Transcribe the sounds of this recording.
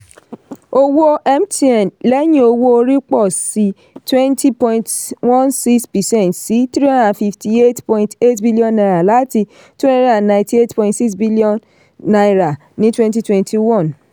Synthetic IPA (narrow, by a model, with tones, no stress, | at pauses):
o˦wo˦ʔɛ˦mti˧ɛ˨nlɛ˦j̃ĩ˦o˧wo˦o˧ɾi˦k͡pɔ˦˨si˦ | twɛ̃˦ntʰi˦pɔ̃˧ĩ˧ntwɔ̃˦˨nsi˦kspɛ˨sɛ̃˦˨ntsi˨˦tɾi˦ɔ˦dã˨fi˧fti˧˨e˦tpɔ̃˧˨ĩ˧te˦tbi˦li˦ɔ̃˧nːa˧ɾa˨la˨˦ti˧ | twɛ̃˦dã˨nã˨ĩnti˧e˦tpɔ̃˧ĩntsi˦ksbi˦li˦ɔ̃˦nː | a˨ɾa˨ | nĩ˦twɛ̃˦nti˦twɛ̃˧ntʰi˨wɔ̃˦˨n